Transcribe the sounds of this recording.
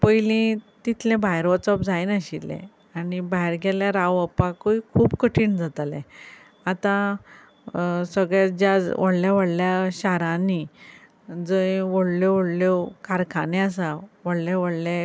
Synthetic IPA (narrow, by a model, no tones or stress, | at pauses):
pəjlĩt̪it̪ʰlɛ̃bajɾʋət͡sɔpd͡zajnaɕilːɛ̰̃ | anibaɾɡeljaɾaʋəpakəikʰuːbkəʈʰiːɳd͡zat̪alɛ̰̃ | at̪ã | səɡɭjad͡ʑad͡zʋəɽljaʋəɽljaɕaɾãni | d͡zəjʋəɽloʋəɽlokʰaɾkʰanɛ̃asaʋəɽlaʋəɽlẽ